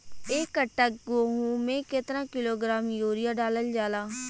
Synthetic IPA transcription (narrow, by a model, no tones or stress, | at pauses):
eːkːəʈːəkɡoːɦũːmẽːkɪt̪ɾãːkɪloːɡɾaːmjoːɾɪjaːɖaːləld͡ʒaːlaː